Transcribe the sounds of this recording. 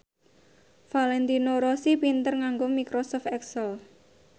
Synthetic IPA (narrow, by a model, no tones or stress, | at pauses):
falɛnt̪inoɾosipint̪ərŋaŋɡomikɾosɔft̪ɛksəl